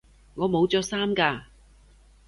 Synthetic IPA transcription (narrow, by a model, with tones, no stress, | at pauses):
ŋɔː˨˧mo˨˧wt͡sɔː˨˧saː˥mkaː˧